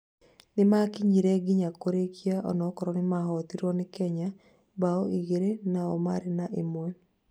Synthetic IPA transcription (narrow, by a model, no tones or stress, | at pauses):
nemakiɲiɾɛɡiɲakoɾekiaʔɔ̰nɔkɔɾɔnemaɦɔtiɾɔnekɛɲa | baɔʔiɣeɾenaɔmaɾenaʔemoɛ